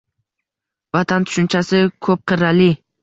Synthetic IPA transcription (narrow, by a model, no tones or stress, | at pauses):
vat̪ʰant̪ʰʊ̥ʃʊnt͡ʃʰasɪkʰɵp̚qʰɨɾalɪ